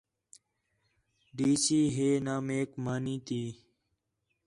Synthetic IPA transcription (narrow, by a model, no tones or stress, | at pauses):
ɖiːsiːɦeːnaːmeːkmaːniːt̪iː